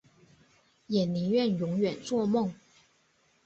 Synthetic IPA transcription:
jɛ˨˩nli˧˥˦ɥɛ˥˩˨njʊ˧˥ŋɥɛ˨˩nt͡swɔ˥˧mʊ˥˨ŋ

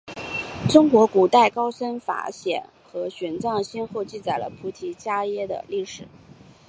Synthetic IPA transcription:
ʈ͡ʂʊ˥ŋkwɔ˧˥ku˨˩t̪a˥˩ɪkɑ˥ʊʂə˥nfa̰˧˥ɕjɛ̰˨˩˦n | xɤ˧˥ɕɥɛ˨˩nt͡sɑ˥˩ŋɕɛ˥nxo˥˧ʊt͡ɕi˥˩t͡sa˨˩ɪlə̰˦pʰu˧˥t̪ʰi˧˥t͡ɕja˥jɛ˥d̪ə̰˨li˥˩ʂɻ̩˨˩˦

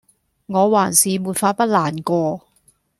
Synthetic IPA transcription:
ŋɔː˨˧waː˨˩nsiː˨muː˨˩tfaː˧t̚pɐ˥t̚laː˨˩nkɔː˧

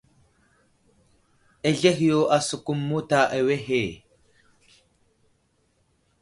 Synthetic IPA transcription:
e˨ɮe˦xjo˦ʔa˨su˨ku˦mːu˦ta˨ʔe˨we˦ɦe˨

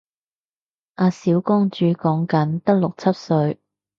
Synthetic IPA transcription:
ʔaː˨˧siː˨˥wkɔː˥ŋt͡ʃyː˧kɔː˨˥ŋkɐ˨˥nt̪ɐ˥k̚lʊ˨k̚t͡sʰɐ˥t̚sɵ˧ɥ

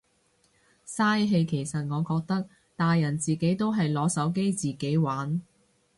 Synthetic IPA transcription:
saː˥jɦe˧jkʰe˨˩jsɐ˨t̚ŋɔː˨˧kɔː˧k̚t̪ɐ˥k̚ | t̪aː˨jːɐ˨˩nt͡siː˨ke˨˥jt̪o˥wɦɐ˨jlɔː˨˧sɐ˨˥wk̬e˥jt͡siː˨ke˨˥jwaː˨˥n

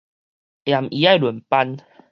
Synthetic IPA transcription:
ja˨˩mʔi˨˦a˥˧jlə˨˩npa˧n

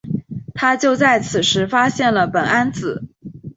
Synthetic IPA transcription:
t̪ʰa˥t͡ɕjo˥˧ʊt͡sa˥˩ɪt͡sʰɹ̩˨˩ʂɻ̩˧˥fa˥ɕjɛ˥˩nlə˩pə˨˩na˥nt͡sɹ̩˨˩˦

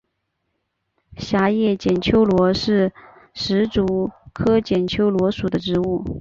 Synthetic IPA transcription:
ɕja˧˥jɛ˥˩t͡ɕjɛ˨˩nt͡ɕʰjo˥ʊlwɔ˧˥ʂɻ̩˥˩ | ʂɻ̩˧˥ʈ͡ʂu˧˥kʰɤ˥t͡ɕjɛ˨˩nt͡ɕʰjo˥ʊlwɔ˧˥ʂu˨˩d̪ə˦ʈ͡ʂɻ̩˧˥u˥˩

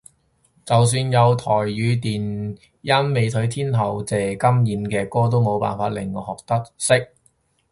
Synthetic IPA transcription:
t͡sɐ˨ws̬yː˧njɐ˨˧wt̪ʰɔː˨˩jːyː˨˧t̪iː˨˩n | jɐ˥nme˨˧jt̪ʰɵ˨˥ɥt̪ʰiː˥nhʰɐ˨˩wt͡sɛː˨˩kɐ˥mjiː˨˥mkɛː˧kɔː˥t̪̬o˥wmo˨˧wpa̰ː˨nfaː˧t̚lɪ˨˩ŋːɔ˨˧hɔː˨k̚t̪ɐ˥k̚sɪ˥k̚

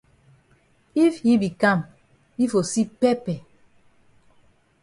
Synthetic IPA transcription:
i˦fhi˦bi˨kã˦˨m | hi˦fo˨si˦pɛ˦pɛ˨

